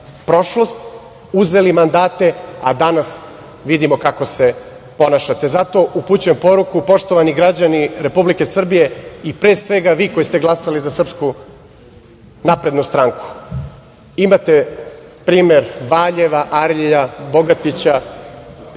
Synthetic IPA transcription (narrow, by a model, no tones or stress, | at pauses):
pɾo̞ʃlo̞st̪ | uze̞limand̪aːt̪e̞ad̪anas | ʋid̪imokako̞se̞ | po̞naʃat̪e̞zat̪o̞ʔuput͡ɕujempo̞ɾukupo̞ʃt̪o̞ʋaniɡɾad͡ʑaniɾe̞publike̞sr̩bije̞ipɾeːsʋe̞ɡaʋiːko̞jist̪e̞ɡlˠasalizasr̩psku | napɾe̞d̪nust̪ɾaŋku̥ | imat̪e̞pɾiːme̞ɾʋaːʎeʋaʔaɾʎʎaboɡat̪it͡ɕa